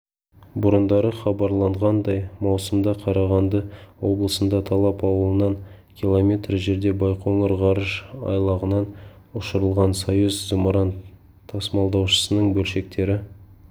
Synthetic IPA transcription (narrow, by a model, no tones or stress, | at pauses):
bʊɾənd̪ɑɾəχɑbɑɾlˠɑɴʁɑnd̪ɑjmɑwsəmd̪ɑqʰɑɾɑʁɑnd̪əwo̞blˠəsənd̪ɑt̪ʰɑlˠɑpɑwəlˠənɑn | kʲʰilˠomʲe̞t̪rʒe̞ɾd̪e̞bɑjqʰoŋəɾʁɑɾəʒɑ̰jlˠɑʁənɑn | ʊʃəɾəlˠʁɑnsojuzzimoɾɑnt̪ʰː | ɑsmɑlˠd̪ɑwʃə̥sənəɴbɵlʃe̞k̚t̪e̞ɾɪ